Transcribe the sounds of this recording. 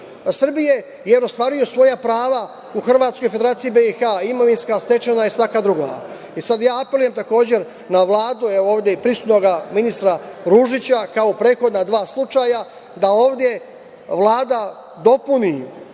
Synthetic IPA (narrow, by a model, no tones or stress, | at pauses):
sr̩bije̞ | jeɾost̪ʋaːɾijo̞sʋo̞japɾaːʋa | uxr̩ʋaːt̪sko̞jfed̪eɾaːt̪sijibeixaimo̞ʋinskast̪e̞t͡ʃenaisʋakad̪ɾuɡo̰a̰ | isad̪jaːapeluje̞mt̪ako̞ːd͡ʑe̞ɾ | naʋlˠaːd̪ueooːʋd̪ʲje̞ipɾisut̪no̞ɡaminist̪ɾaɾuʒit͡ɕakaopɾet̪xo̞d̪nad̪ʋaːslˠut͡ʃaːja | d̪ao̞ːʋd̪je̞ | ʋlˠaːd̪a | d̪o̞puni